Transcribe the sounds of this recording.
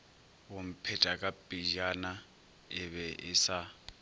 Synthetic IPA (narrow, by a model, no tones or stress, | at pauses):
wom̩pʰɛtʼakʼapʼid͡ʒana | ɪβɛʔɪsa